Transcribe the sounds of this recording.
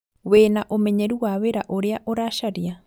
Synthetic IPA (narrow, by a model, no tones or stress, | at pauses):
weːnaʔomɛɲɛɾuwaweɾaʔoɾeaʔoɾaʃaɾia